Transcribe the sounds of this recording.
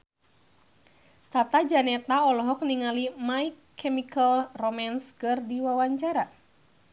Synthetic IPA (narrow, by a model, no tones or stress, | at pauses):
t̪at̪ad͡ʒanɛt̪aɔlɔɦɔk̚niŋalimaikʰː | ɛmikəlrɔmanskɨrdiwawaɲt͡ʃaɾa